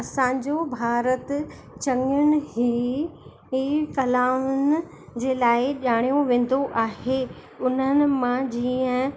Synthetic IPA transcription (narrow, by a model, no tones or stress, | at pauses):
ɐsãːɲd͡ʑobʱaːɾət̪ | t͡ɕɐ̃ŋʊnɪ̆ɦiː | ɦiːkɐlaːʊnɪ̆ | d͡ʑeːlaːɪʄaːɽ̃ijoʋẽːn̆d̪oʔaːɦe | ʊn̤ənɪ̆mãd͡ʑiːə̃